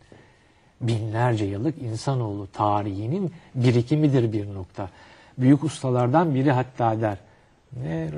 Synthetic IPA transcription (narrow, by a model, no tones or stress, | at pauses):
binlʲæɾd͡ʒɛjalˠɯkinsano̞ːlˠut̪ʰaːɾiɦininbiɾicʰimid̪iɾbiɾno̞kt̪ʰa | byjycust̪ʰalˠaɾd̪anbiɾiɦat̪ʰːaːd̪æɾ̥ | nɛ